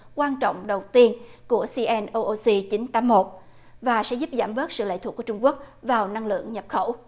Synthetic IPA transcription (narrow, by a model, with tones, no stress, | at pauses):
kwaː˧nt͡ɕɔ̰˧˨wŋ͡mɗə˨˩wt̪i˧ənku˧˩əsi˧ʔɛ˧nʔo˧ʔo˧si˧t͡ɕi˨˦nt̪aː˨˦mmo˨˩t̚ | vaː˨˩sɛ̰˧˥zu˦˥p̚zaː˧˩mɓɨ˦˥k̚sɨ̰˧˨lə̰ː˧˥jt̪ʰku˧˩˦t͡ɕʊ˧ŋ͡mku˦˥ək̚vaː˨˩wna˧ŋlɨ̰˧˨əŋɲə˨˩p̚xə˧˩w